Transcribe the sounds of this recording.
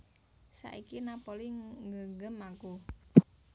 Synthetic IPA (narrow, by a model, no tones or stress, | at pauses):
sa̰ʔikinapoliŋɡəŋɡəmaku